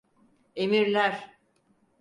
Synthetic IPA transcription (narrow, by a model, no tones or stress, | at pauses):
emiɾlʲæɾ